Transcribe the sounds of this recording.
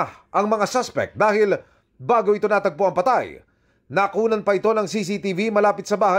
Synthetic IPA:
ʔɐŋmɐŋasaspɛ̰k̚t̪̚d̪aːhɪl | baːɡoɪt̪o̞nat̪ɐɡ̚poʔɐŋpɐt̪aj | nɐkuːnɐnpɐʔɪt̪o̞nɐŋsis̬it̪ivimɐlaːpɪt̪sɐbaːhɐ

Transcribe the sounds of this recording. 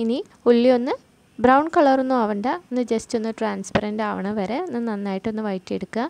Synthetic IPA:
ini | ulːio̞nːɨ | brɐwɳkɐɭɐrunːuɐʋɐɳɖɐenːɨd͡ʑestːonːɨʈraːnspɐɾɐndaːʋɐɳɐʋɐɾenːɨnɐnːaːjiʈːonːɨʋɐjtːijeɽukːɨa

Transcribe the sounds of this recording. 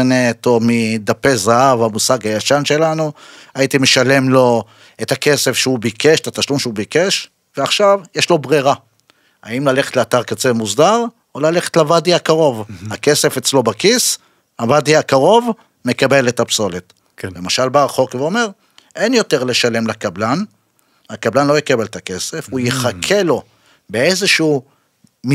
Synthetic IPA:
net̪o̞mid̪apezahavamusaɡajaʃanʃe̞lanuajit̪ime̞ʃale̞mlo̞ | etake̞se̞fʃeubikʰeʃt̪at̪aʃlumʃeubike̞ʃ | veaχʃavjeʃlo̞bʁeʁa | aimlaleχet̪leataʁkat͡semuzdaʁ | olale̞χetlavadiakaʁo̞vhake̞se̞fet͡slo̞bakis | havadiakaʁo̞v | me̞kabe̞letapso̞let | le̞maʃalbaʁaχo̞kveo̞me̞ʁ | ʔe̞njo̞te̞ʁle̞ʃale̞mlakablan | hakablanlo̞jekabe̞let̪ake̞se̞fujeχakʰe̞lo̞ | be̞ezeʃuu | m

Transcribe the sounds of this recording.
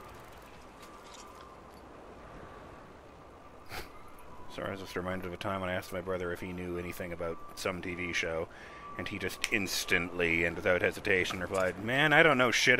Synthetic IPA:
sɑ̰ɹɨ̰zwʌsɹɨmãɪ̃ndɨɾʌvɨtʰãɪ̃mə̃naɪæs̚maɪbɹʌðə˞ɨfhinjʉɛñiθɪ̃ŋɨbaʊt̚sʌ̃mtʰiviʃoʊ | ɨ̃nid͡ʒʌstɪ̃nstɨ̃nʔliɨ̃nwɨθaʊt̚hɛzɨtʰeɪʃn̩ɹɨpʰl̥aɪd̚mæ̃naɪɾõʊ̃nːoʊʃɪɾ

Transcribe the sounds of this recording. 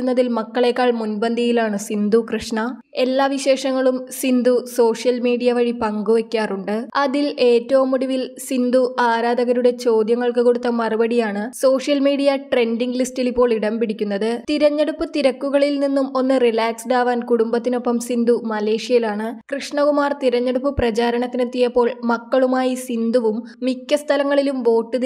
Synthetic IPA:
unːɐðilmɐkːɐɭe̞kːaːɭmunbɐnd̪ʱijilaːɳɨsind̪ukrɨʂɳɐ | e̞lːaːʋiɕe̞ːʂɐŋːɐɭumsind̪uso̞ːʂjɐlmiːɽijɐʋɐɻipɐŋɡuʋɐkʲːaːruɳɖɨɐðile̞ːtːɐʋumuɽuʋilsind̪uʔaːɾaːd̪ɐɣɐɾuɽe̞t͡ɕo̞ːd̪jɐŋːɐɭkɨko̞ɽut̪ːɐmɐrubɐɽijaːɳɨso̞ːʂjɐlmiːɽijɐʈre̞nɖiŋɡlistilipːo̞ːɭiɽɐmbiɽikʲːunːɐðɨt̪iɾɐɲːɐɽupːɨt̪iɾɐkːuɣɐɭilninːumo̞nːɨrilaːksɖaːʋaːnkuɽumbɐt̪ːino̞pːɐmsind̪umɐle̞ːʂijɐilaːɳɨkrɨʂɳɐkumaːrt̪iɾɐɲːɐɽupːɨprɐt͡ɕaːɾɐɳɐt̪ːinɨt̪ːijɐpːo̞ːɭmɐkːɐɭumaːjisind̪uʋumːikʲːɐst̪ʰɐlɐŋːɐɭilumʋo̞ːʈːɨð

